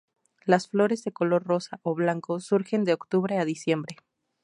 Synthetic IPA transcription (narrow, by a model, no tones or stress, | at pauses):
lasflo̞ɾe̞zðe̞ko̞lo̞ɾro̞saʔoβlaŋko̞suɾxe̞nd̪e̞okt̪uβɾe̞aðisje̞mbɾe̞